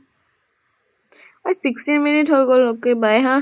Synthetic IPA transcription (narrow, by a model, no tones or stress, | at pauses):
ɔsikstinminitɦojɡolokːebajɦã